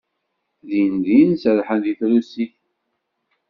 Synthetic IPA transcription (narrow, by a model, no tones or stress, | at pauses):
ðinðinsəðħənðiθɾusiθ